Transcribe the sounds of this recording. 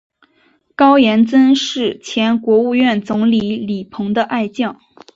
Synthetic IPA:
kɑ˥ʊjɛ˧˥nt͡sə˥nʂɻ̩˥˩t͡ɕʰjɛ˧˥nkwɔ˧˥u˥˧ɥɛ˥˩nt͡sʊ˧˥ŋli˧˥li˨˩pʰɤ˧˥ŋd̪ə˧ʔa˥˧ɪt͡ɕjɑ˥˩ŋ

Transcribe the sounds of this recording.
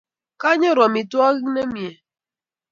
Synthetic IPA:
ka˦ɲɔ˦ɾɔ˨mi˨tu˦ɔ˦ɣɪ˦ne˦mi˨e˨

